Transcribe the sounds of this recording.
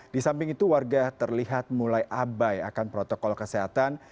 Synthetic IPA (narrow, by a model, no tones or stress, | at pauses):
disampɪŋit̪uwarɡat̪ərliɦat̪̚mulajʔabaja̰kanpɾot̪okɔlkəseɦat̪an